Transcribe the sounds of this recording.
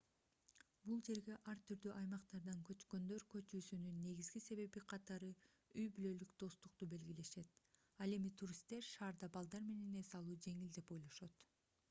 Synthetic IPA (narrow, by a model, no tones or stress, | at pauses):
bulˠd͡ʒe̞ɾɡe̞ʔɑɾt̪ʰyɾd̪yʔɑjmɑqt̪ɑɾd̪ɑŋkø̞t͡ʃkø̞nd̪ø̞ɾkø̞t͡ʃyːsynynːe̞ɡizɡise̞βe̞βiqʰɑt̪ɑɾɯ | yjbylø̞lykd̪o̞st̪uq̚t̪ube̞lɡʲile̞ʃe̞t̪̚ | ɑlˠe̞mit̪ʰuɾist̪e̞ɾʃɑːɾd̪ɑbɑlˠd̪ɑɾme̞ne̞ne̞sɑlˠuːd͡ʒe̞ŋild̪e̞po̞jlˠo̞ʃot̪